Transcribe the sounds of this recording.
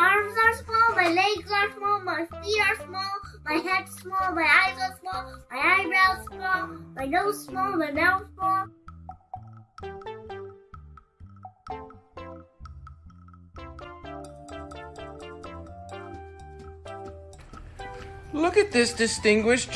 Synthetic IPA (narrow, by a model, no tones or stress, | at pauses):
ɑɹmzə˞smɔlˠmaɪlɛɡzəsmɔlˠmaɪfiə˞smɔlˠmaɪɦɛdsmɔlˠmaɪaɪzə˞smɔlˠmaɪaɪbɹaʊ̥smɔlˠmaɪnoʊz̥smɔlˠmaɪmɛlsmɔlˠ | lʊkɨt̪̚ðɪsd̥ɨstɪ̃ŋɡwɪʃ